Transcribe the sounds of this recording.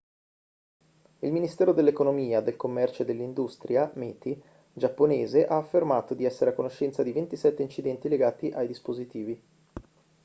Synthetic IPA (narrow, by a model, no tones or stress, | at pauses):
ilminist̪ɛːɾod̪elːekonomiːad̪elkomːɛrt͡ʃoed̪elːind̪ust̪ɾiameːt̪i | d͡ʒapːoneːzeʔaːfːermaːt̪od̪iɛsːeɾeakːonoʃːɛnt̪sad̪ivent̪isɛt̪ːeint͡ʃid̪ɛnt̪ileɡaːt̪iʔajd̪ispozit̪iːvi